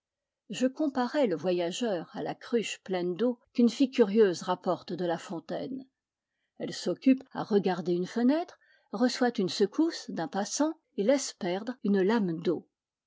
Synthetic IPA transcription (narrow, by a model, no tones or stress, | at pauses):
ʒəkɔ̃paʁɛləvwajaʒœːʁa̰la̰kχyʃplɛnd̪okynfikʲyʁjøzʁapɔʁt̪d̪əlafɔ̃t̪ɛ̰n | ɛlsɔkʲypa̰ʁəɡaʁd̪eynfənɛt̪χ | ʁəswat̪ynsəkʰusd̪ɛ̃pasɑ̃ | elɛspɛʁd̪ʁynlamd̪o